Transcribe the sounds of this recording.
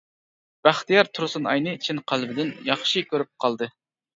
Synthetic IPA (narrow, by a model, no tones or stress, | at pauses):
b̥æχt̪ijɑɾt̪ʰuɾsɨnɑ̰jnɨt͡ʃʰɪnqʰælbɪd̪ɪnjɑχʃikʲʰøɾyp̚qʰɑlˠd̪ɨ